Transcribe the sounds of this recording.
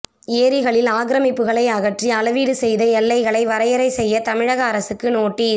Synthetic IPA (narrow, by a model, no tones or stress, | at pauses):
eːɾɪɣɐɭɪlaːɣɪɾɐmɪpːɯɣɐɭɐɪɐɣɐʈriɐlɐʋiːɽɯsɛjðɐɛlːɐɪɣɐɭɐɪʋɐɾɐjɐɾɐɪsɛjːɐt̪ɐmɪɻɐɣɐːɾɐsɯkːɯnoːʈːi